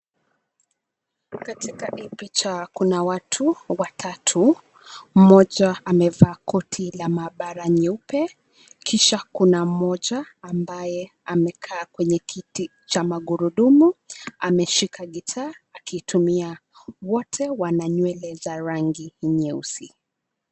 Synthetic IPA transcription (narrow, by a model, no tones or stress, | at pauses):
katikaʔipit͡ʃakunawatʰuwatʰatʰu | m̩mɔʄaamɛvaːkʰɔtʰilamaɓaɾaɲupɛ | kiʃakunam̩mɔʄaː | mbajɛ | amɛkʰaːkwɛɲɛkʰiti | t͡ʃamaɠuɾuɗumuamɛʃikʰaɠitʰaːakiːtʰumiawɔtʰɛwanaɲwɛlɛzaɾaŋɡiɲɛusi